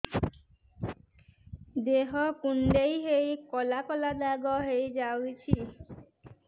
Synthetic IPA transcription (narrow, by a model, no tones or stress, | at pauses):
d̪eɦɔkuɳɖejɦejkɔlakɔlad̪aɡɔɦejd͡ʒawit͡ʃʰi